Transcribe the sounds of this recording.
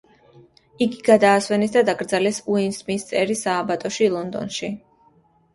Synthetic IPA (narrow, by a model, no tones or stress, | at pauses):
iɡiɡad̪aːswɛnɛsd̪ad̪aɡɾd̪zalɛsuinsmist̪sʼɛɾisaːbat̪ʼɔʃilˠɔnd̪ɔ̰nʃi